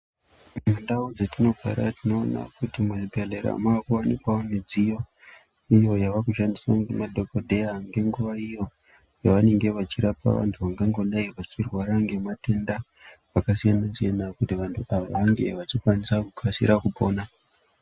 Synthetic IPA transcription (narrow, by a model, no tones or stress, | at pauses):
mundaud͡zetino̞ɡʱa̰ɾa̰tino̞ːna̰kutimwebʱeleɾa̰maːkuwanikwaoned͡zijo̞ | ijo̞jaʋakuʃandisaŋɡemadʱokodʱejaŋɡe̞ŋɡuʋaijo̞ | jaʋane̞ŋɡe̞ʋat͡ʃiɾapa̰ʋa̰ntʰuʋaŋɡaŋɡo̞ɗaiʋat͡ʃirwaɾaŋɡe̞mate̞nda | ʋakasijanasijanakutiʋantʰuʔaʋa̰ʋaŋɡe̞̰ʋat͡ʃikwanisakukʰasḭɾakupo̞ːna